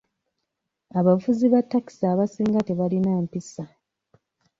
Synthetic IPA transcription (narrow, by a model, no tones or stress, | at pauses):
aβafuziβatːaki̥saːβasiːŋɡate̞βalinaːmpisa